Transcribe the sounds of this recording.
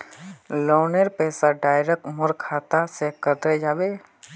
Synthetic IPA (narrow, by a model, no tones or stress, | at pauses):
loːneɾpɛːsaɖaːjɾek̚mʊɾkʰaːt̪asekəd̪ɾed͡ʒaːbeː